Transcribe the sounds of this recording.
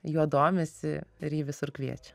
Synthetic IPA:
juːd̪oːmʲɛsʲɪɪɾiːʋʲɪsʊɾkʋʲiɛt͡ʃʲɛ̥

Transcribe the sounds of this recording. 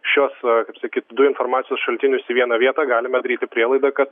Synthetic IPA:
ʃʲoːskɐɪpsɐkʲiːt̪d̪ʊɪnfoːrmɑːt͡ssʲɪjoːsʃɐlʲt̪ʲɪnʲʊsiʋʲiɛnɐʋʲiɛt̪ɑːɡɑːlʲɪmɐd̪ɐɾʲiːt̪ʲɪpʲɾʲiɛlˠɐɪd̪ɐkɐt̪

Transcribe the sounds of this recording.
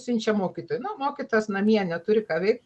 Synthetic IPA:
sʲɪnʲt͡ʃʲɛmoːkʲit̪oːjnʊmoːkʲit̪oːjɛsnɐmʲiɛnʲɛt̪ʊɾʲɪkɑːʋʲɛɪk̚

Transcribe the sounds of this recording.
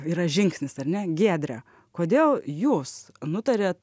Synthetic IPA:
iːɾɐʒʲɪŋksʲnʲɪsɐɾʲnʲɛɡʲeːd̪ʲɾʲɛ̰ | koːd̪ʲeːlˠjuːs | nʊt̪ɐɾʲeːt̪

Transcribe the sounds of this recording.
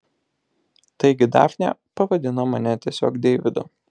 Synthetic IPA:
t̪ɐɪɡʲɪd̪ɑ̰ːfʲnʲɛ̰pɐʋɐd̪ʲɪnomɐnʲɛt̪ʲiɛsʲo̰ːkd̪ʲɛɪʋʲɪd̪ʊ

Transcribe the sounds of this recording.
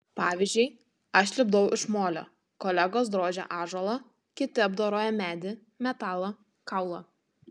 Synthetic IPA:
pɑːʋʲɪzʲd͡ʒʲɵɪ | ɐʃlʲɪb̚d̪ʊʔɪʃmoːlʲo̰ː | kɔːlʲɛɡoːs̬d̪ɾoːd͡ʒʲɛ̰ʔɑːʒolˠɐ | kʲɪt̪ʲɪɐbd̪oːɾoːjɛmʲæːd̪ʲɪ | mʲɛt̪ɑːlˠɐ | kɑˑʊlˠɐ

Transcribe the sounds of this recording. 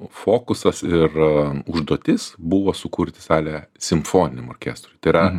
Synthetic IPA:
foːkʊsɐsɪrʊʒd̪oːt̪ʲɪsbʊʋoːsʊkuːɾʲt̪ʲɪsɑːlʲɛsʲɪmfoːnʲɪnʲɛmoːrʲkʲæ̰ːst̪ɾʊjt̪ɐɪɾɐ

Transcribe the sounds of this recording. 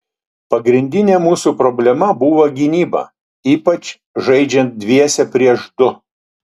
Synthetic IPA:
pɐɡɾʲɪnʲd̪ʲɪnʲemuːsuːpɾɔbʲlʲɛmɐbuːʋɐɡʲinʲiːbɐ̰ː | iːpɐt͡ʃ | ʒɐɪd͡ʒʲɛnt̪̚d̪ʲʋʲiɛsʲɛpʲɾʲiɛʃd̪ʊ

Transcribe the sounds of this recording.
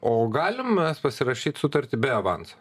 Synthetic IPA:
oːɡɑːlʲɪmmʲɛspɐsʲɪɾɐʃʲiːt̪sʊt̪ɐɾʲt̪ʲɪbʲɛɐʋɑ̰nsɐ̥

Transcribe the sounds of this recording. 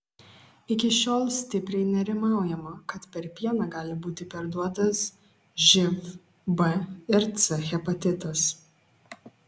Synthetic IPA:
ɪkʲɪʃʲoːlˠsʲt̪ʲɪpʲɾʲɛɪnʲɛɾʲɪmɑˑʊjɛmɐkɐt̪pʲɛɾpʲiɛnɑɡɑːlʲɪbuːt̪ʲɪpʲɛɾd̪uɔt̪ɐs | ʒʲɪf | bɛɪɾt̪sɛxʲɛpɐt̪ʲɪt̪ɐs

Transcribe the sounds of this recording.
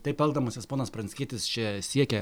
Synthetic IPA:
t̪ɐɪpɛlˠd̪ɐmoːsʲɪspoːnɐspɾɐnʲsʲkʲiɛt̪ʲɪst͡ʃʲɛsʲiɛkʲɛ

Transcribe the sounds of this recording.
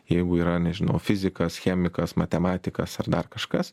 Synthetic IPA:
jɛɪɡʊiːɾɐnʲɛʒʲɪnɐʊfʲɪzʲɪkɐsxʲɛːmʲɪkɐsmɐt̪ʲɛmɑːt̪ʲɪkɐsɐrd̪ɐrkɐʃkɐs

